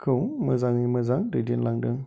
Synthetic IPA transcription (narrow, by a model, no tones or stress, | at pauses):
kʰəməzaŋiməzaŋdədinlaŋdəŋ